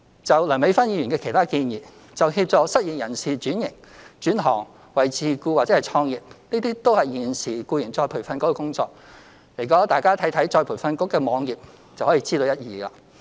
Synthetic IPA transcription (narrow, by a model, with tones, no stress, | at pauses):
t͡sɐ˨wlɐ˨˩me˨˧˥jfɐ˥njiː˧jyː˨˩nkɛː˧kʰe˨˩t̪ʰaː˥kiː˧njiː˨˩ | t͡sɐ˨wɦiː˧p̚t͡sɔː˨ksɐ˥t̚jiː˨˩njɐ˨˩nsiː˨t͡ʃyː˨˥njɪ˨˩ŋ | t͡ʃyː˨˥nɦɔ̰ː˨˩ŋ | wɐ˨jt͡sʰiː˨˧kuː˧waː˨˩t͡sɛ˨˥hjt͡sʰɔː˧ŋjiː˨p̚niː˥t̪iː˥t̪o˥whɐ˨jːiː˨˩nsiː˨˩kuː˧jɪ˨˩ŋt͡sɔː˧jpʰu˨˩fɐ˧nkɔː˨˥kɔ˧kʊ˥ŋt͡sɔ̰ː˧k̚ | le˨˩jkɔː˨˧˥ŋt̪aː˨jkaː˥t̪ʰɐ˨˥jt̪ʰɐ˨˥jt͡sɔː˧jpʰuː˨˩jfɐ˧nkʊ˥kːɛː˧mɔː˨˧ŋjiː˨p̚ | t͡sɐ˨whɔː˨˥jiː˧t͡siː˥t̪o˧wjɐ˥t̚jiː˨a˧